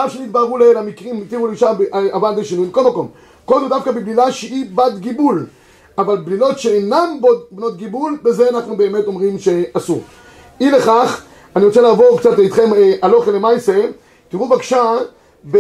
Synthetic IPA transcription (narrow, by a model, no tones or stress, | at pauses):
afʃenit̪baʁulelamikʁimit̪iʁuleiʃabeavant̪eʃinujmko̞lmako̞m | kodud̪afkabiblilaʃeibat̪ɡibul | avalblilo̞tʃeenambodbno̞t̪̚ɡibulbezeanaχnube̞ːme̞t̪o̞mʁimʃe̞asuʁ | ileχaχ | aniʁo̞t͡selaːvo̞ʁkt͡sat̪leit̪χe̞mʔalo̞χelemajse | t̪iʁubekʃa | ve